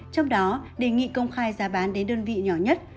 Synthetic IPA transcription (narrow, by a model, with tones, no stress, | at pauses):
t͡ɕɔ˧wŋ͡mɗɔ˨˦ɗe˧˩ŋḭ˧˨kə˧wŋ͡mxaː˧jzaː˨˦ɓaː˨˦nɗe˨˦nɗəː˧nvḭ˧˨ɲɔ˧˩ɲə˦˥t̚